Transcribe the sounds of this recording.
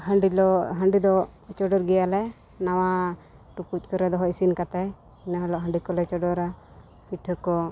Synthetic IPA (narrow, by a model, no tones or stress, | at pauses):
ɦəɳɖilɔɦəɳɖid̪ɔt͡ʃɔɖɔɾɡɛjalɛ | nawa | ʈupuc̚ˀkɔɾɛd̪ɔɦɔʔisinkat̪aj | naɦɔlɔʔɦəɳɖikɔlɛt͡ʃɔɖɔɾa | piʈʰəkɔ